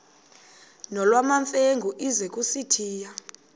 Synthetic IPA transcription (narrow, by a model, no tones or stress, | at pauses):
nɔlwamaɱfeŋɡʱuʔizɛk̬ʼusitʰiːja